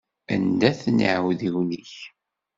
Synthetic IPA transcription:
ænd̪æθnə̰ʕwðiwniç

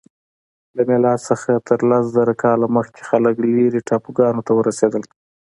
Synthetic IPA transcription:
lamelɑsəxat̪ʰəɾlas̬zaɾakɑlaməxke̥xaləkliɾiʈʰɑpuɡɑnot̪awəɾased̪əl

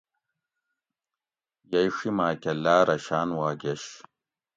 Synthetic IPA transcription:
jɐjʂimaːkʲɐlːaːɾɐɕaːnwaːɡeɕ

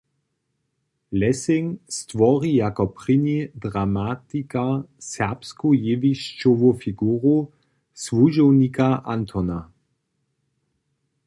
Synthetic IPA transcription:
lɛsɪŋst̪ʋɔʁijakɔpʁinid̪ʁamat̪ikasɛʁpskujeviʃt͡ʃovufiɡuːʁu | svuʒɔwnikaʔant̪ʰɔna

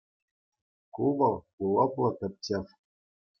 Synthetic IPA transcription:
kuʋɤ̆lˠ | ulˠɤplˠɤ̆kʲɘ̆p̚ʲtʲefʲ

